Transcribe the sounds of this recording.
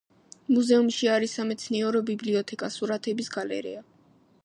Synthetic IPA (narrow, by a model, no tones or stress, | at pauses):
muzɛumʃiaɾisamɛt̪sʰniɛɾɔbibliɔt̪ʰɛkʼasuɾat̪ʰɛbisɡalɛ̰ɾḭa